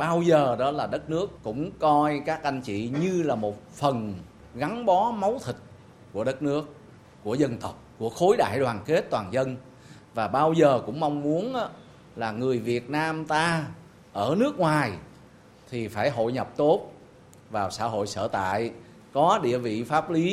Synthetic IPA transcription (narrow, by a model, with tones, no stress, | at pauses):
ɓaː˧wzəː˨˩ɗɔ˨˦laː˨˩ɗə˦˥t̚nɨ˦˥əkːʊ̰˧˥ŋ͡mkɔ˧jkaː˦˥k̚ʔa˧jŋ̟t͡ɕḭ˧˨ɲɨ˧laː˨˩mo˨˩t̚fə˨˩n | ɣa˨˦ŋɓɔ˨˦ma˨˦wt̪ʰï˨˩k̟̚ | ku˧˩əɗə˦˥t̚nɨ˦˥ək̚ː | u˧˩əzə˧nt̪ə˨˩wk͡p̚ku˧˩əxo˨˦jɗa̰ː˧˩˨jɗwaː˨˩nke˦˥t̚t̪waː˨˩nzə˧n | vaː˨˩ɓaː˧wzəː˨˩kʊ̰˧˥ŋ͡mma˧wŋ͡mmu˨˦ənʔaː˨˦ | laː˨˩ŋɨ˨˩əjvi˨˩ət̚naː˧mt̪aː˧ | ʔəː˧˩nɨ˦˥ək̚ŋwaː˨˩j | t̪ʰi˨˩faː˧˩jɦo̰˧˨jɲə˨˩p̚t̪o˦˥t̚ | vaː˨˩wsa̰ː˧˩ɦo̰˧˨jsə̰ː˧˩t̪a̰ː˧˨j | kɔ˨˦ɗḭ˧˨əvḭ˧˨faː˦˥p̚li˨˦